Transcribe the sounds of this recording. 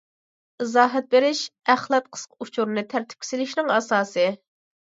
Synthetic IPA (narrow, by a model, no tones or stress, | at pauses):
ɨzɑːɦɛt̪̚beɾɪʃæχlˠɛt̪̚qʰə̥squt͡ʃʰuɾnɨt̪ʰæɾt̪ʰɪ̥p̚kʰʲi̥sɪlɪʃnɪŋɑsɑːsɨ